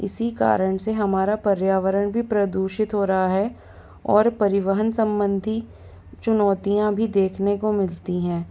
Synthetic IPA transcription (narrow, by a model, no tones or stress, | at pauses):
ɪ̰sika̰ːɾəɳ̃seɦɐmaːɾapɐɾjaːʋəɾəɽ̃bʱipɾɐd̪uːʃɪt̪ɦoːɾɐɦaɦɛ | ɔːɾpɐɾɪʋəɦənsɐ̃mbə̃nd̪ʱi | t͡ʃʊnɔːt̪ijãbʱid̪eːkʰnekomɪlt̪iɦɛ̃ː